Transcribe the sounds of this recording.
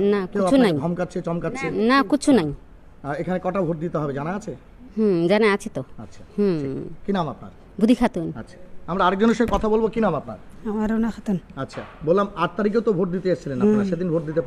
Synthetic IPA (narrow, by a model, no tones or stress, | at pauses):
nakit͡ɕunajʱɔmkatːʰet͡ɕɔmkatːt͡ɕʰenakit͡ɕʰunaj | aekʰanekɔʈabʱoʈ̚d̪it̪eɦɔbed͡ʑanaat͡ɕʰe | ɦũd͡ʑaneat͡ɕʰit̪oatːɕʰḁhũkinamap̚na̰ɾ | bud̪ʱikʰat̪unatːɕʰḁamɾaaɾek̚d͡ʑoneʃekɔt̪ʰabolbokinamapna̰ɾamaɾenaxʰat̪unatːɕʰa̰bolːamaʈ̚t̪aɾik̬ewt̪obʱoʈ̚d̪it̪eaʃt͡ɕʰilenapnaɾʃed̪inbʱoʈ̚d̪it̪epa